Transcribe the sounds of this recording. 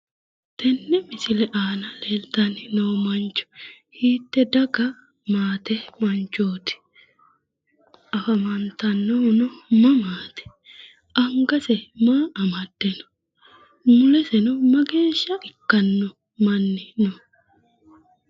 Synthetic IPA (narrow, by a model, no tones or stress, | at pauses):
t̪ɛnːɛmɪsɪlɛʔaːnɐleːlt̪ɐnɪnowmɐnt͡ʃːʊ̥ | hiːt̪ːɛd̪ɐɡɐ | maːt̪ɛmɐnt͡ʃoːt̪ɪ̥ | ʔɐfɐmɐnt̪ɐnːɔnʊmɐmaːt̪ɛ̥ | ʔɐŋɡɐsɛmaːɐmɐd̪̥ːɛnʊ̥ | mʊlɛsɛnʊmɐɡe̞ːʃːɐʔɪkːɐnːɔ | mɐnːɪnɔ